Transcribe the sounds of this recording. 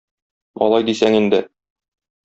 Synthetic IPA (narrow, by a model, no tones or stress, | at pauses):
ɒ̰lˠɑjd̪isæŋind̪ɘ